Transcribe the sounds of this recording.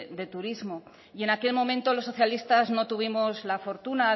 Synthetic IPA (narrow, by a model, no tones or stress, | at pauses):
d̪e̞t̪uɾizmo̞ | ie̞nake̞lmõ̞mẽnt̪o̞losːo̞θjalist̪azno̞t̪uβ̞imo̞zlafo̞ɾt̪una